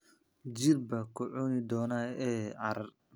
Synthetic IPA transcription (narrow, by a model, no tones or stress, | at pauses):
d͡ʒɪɾbɐkʰʊʕuːnɪd̪ɔːnaɛːʔɑɾɐr